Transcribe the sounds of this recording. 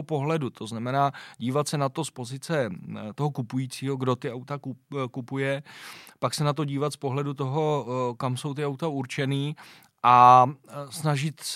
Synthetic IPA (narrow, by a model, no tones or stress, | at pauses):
opo̞ɦlɛdut̪ʰo̞znamɛnaːɟiːvat̪sɛnat̪o̞spo̞zɪt͡sɛt̪o̞ɦo̞kupujiːt͡siːɦo̞ɡdo̞t̪ɪawt̪akukupujɛpaksɛnat̪̬oɟiːvat̪spo̞ɦlɛdut̪o̞ɦo̞kamso̞wt̪ɪawt̪auɾt͡ʃɛniː | ʔa | snaʒɪt̪s